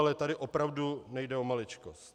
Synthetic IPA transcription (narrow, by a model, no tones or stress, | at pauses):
lɛt̪adɪʔo̞pɾavdunɛjdɛo̞malɪt͡ʃkost̪